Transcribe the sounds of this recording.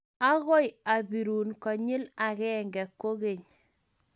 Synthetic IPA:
a˦ɣɔ˦ja˨bi˨ɾuː˨nkɔ˨ɲɪ˦la˨ɣɛ˦ŋɡɛ˨kːo˦ɣe˨ɲ

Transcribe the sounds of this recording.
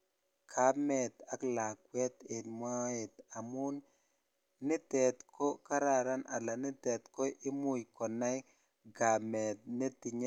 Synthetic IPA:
kʰa˨˦mɛ˨t̪a˦kla˨kwɛ˦t̪e˨nma˦e˨ta˨mʊ˦n | nɪ˦tɛ˨t̪kʰo˦ka˦ɾa˨ɾa˦nʔa̰˨la˨nɪ˦tɛ˨t̪ko˦ʔɪ˦mʊ˦jkɔ˨na˦j | ɡa˨mɛ˨t̚ne˦tɪ˨ɲ˦

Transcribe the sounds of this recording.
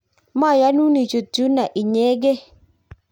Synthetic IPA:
ma˦˨ja˨˦nu˦ni˨t͡ʃo˨tu˨˦na˨ʔi˨ɲɛ˨˦ɡe˦

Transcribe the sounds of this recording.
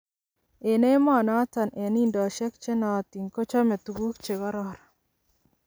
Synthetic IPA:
e˨ne˦ma˦˨na˦ta˨nʔe˨ni˦ndɔ˨ʃɛ˦k̚t͡ʃe˦na˨t̪i˨ŋkɔ˦t͡ʃa˦me˨t̪u˨ɡu˦kt͡ʃe˨ɡɔ˦ɾɔ˦ɾ

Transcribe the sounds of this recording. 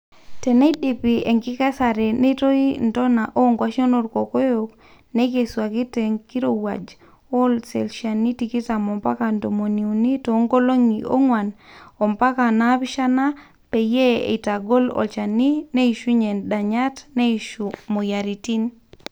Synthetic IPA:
te˨ne˦iɗi˨pi˨e˨ŋki˦ke˦sa˨ɾe˨ne˦to˦into˦na˨ʔo˦ŋɡwa˨ʃo˦no˨ɾko˨ko˦jo˨k | ne˦ke˨swa˨ki˦te˨ŋki˦ɾo˨wa̰˨d͡ʒ | o˦lsḛ˨lʃa˨ni˦tiki˦ta˨mo˨mpa̰˦ka˨ndo˨mo˨ni˨u˨ni˦to˨˦ŋɡo˦lo˦ŋiʔo̰˦ŋwa˨no˨mpa˦ka˨na˦pi˦ʃa˦na˦ | pe˨je˦ḛ˨ta˨ɡo˦lo̰˨lt͡ʃa˨ni˦ne˦i˨ʃu˦ɲe˨nɗa˨ɲa˦tne˦iʃumo˨ja˨ɾi˨ti˦n

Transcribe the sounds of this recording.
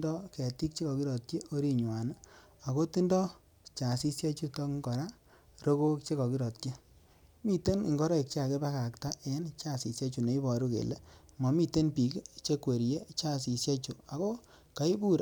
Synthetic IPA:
dɔ˦kɛ˨ti˦k̚t͡ʃe˦kɔ˨ki˦ɾɔ˨t̚ki˦o˦ɾi˦ɲwa˨n | a˨ko˦ti˦ndɔ˦ | t͡ʃa˨si˦sja˦t͡ʃu˦tɔ˦kŋkɔ˨ɾa˦ | ɾo˦ko˦kt͡ʃe˦kɔ˨ki˦ɾɔ˨tki˦ | mi˦˨te˦nḭ˨ŋɡɔ˦ɾɔ˦i˨k̚t͡ʃe˦a˨ke˦ba˦ka˨kta˦ʔe˦nt͡ʃa˦˨si˨sja˦t͡ʃu˨ne˨i˦bɔ˨ɾu˦kḛ˨le˦mɔ˨mi˦te˦npi˨kt͡ʃe˦kwe˨ɾje˦t͡ʃa˦˨si˨sja˦t͡ʃu˨a˨ko˦ | ka˨i˦bu˦˨ɾ

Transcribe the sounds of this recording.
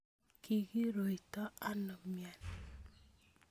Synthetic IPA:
ki˨ɡi˦ɾo˨i˨tɔ˦a˦nɔ˨mja˨n

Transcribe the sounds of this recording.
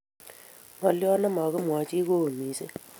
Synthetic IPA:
ma˨ljɔ˦na˦ma˨kɪ˦mwa˨t͡ʃi˦ko˦˨mi˨se˦

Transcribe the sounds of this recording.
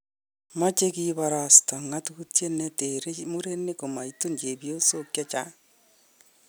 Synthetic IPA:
ma˦t͡ʃe˦kiβaɾasta˨ŋa˦tutje˦ne˦teɾe˦mu˦ɾe˦ne˦ko˨ma˨ito˦ɲd͡ʒe˨βjo˦sokja˦t͡ʃa˦

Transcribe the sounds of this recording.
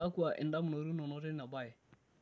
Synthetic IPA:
a˦ku˦a˨ʔɪ̰˨nda˦mu˨no˨ɾu˦nɔ˨nɔ˨˦ɾe˦ɾi˦na˨ba˦jɛ˨

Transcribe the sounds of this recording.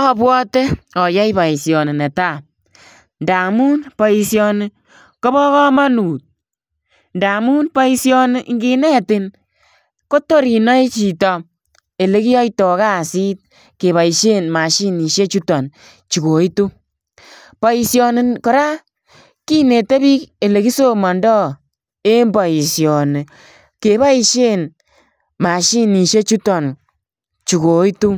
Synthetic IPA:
ɔ˦pwɔ˦te˦ɔ˨ja˦i˦ba˨i˨sjɔ˨nɪ˨ne˨ta˦˨ | nda˨mu˦npa˨i˧sjɔ˧nɪ˦ | ko˦bɔ˦kɔ˦ma˦nu˨t̚ | nda˨mu˦npa˦i˦sjɔ˧nɪ˦ŋɡi˧nɛ˦tɪ˨n | ko˦to˦ɾi˨nɔ˦jt͡ʃi˨tɔ˨ | e˨le˦ki˦jɔ˦jtɔ˨ka˦˨si˦t̚ | ke˨βa˨i˨ʃe˦nma˨ʃi˦ni˨ʃe˦t͡ʃu˦tɔ˨n | t͡ʃu˨ko˨i˦tu˦ | pa˨i˧sjɔ˧ne˨kɔ˨ɾa˦ | ki˦ne˨te˦bi˦ke˨le˨ki˦so˦mɔ˨ndɔ˦ | e˦mba˨i˨sjɔ˨ne˨ | ke˨ba˦i˦ʃe˦n | ma˨ʃi˦ni˨ʃe˦t͡ʃu˦tɔ˨n | t͡ʃu˨ko˨i˦tu˦

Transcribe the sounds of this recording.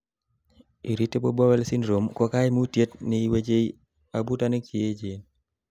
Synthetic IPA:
i˨ɾi˦tːe˦bo˦bɔ˦wɛ˦lsi˦nɾo˨mkɔ˦ka˦jmu˦tje˦tne˨i˦we˦d͡ʒe˦j | a˨bu˦ta˦ne˦ki˨e˦d͡ʒe˨n

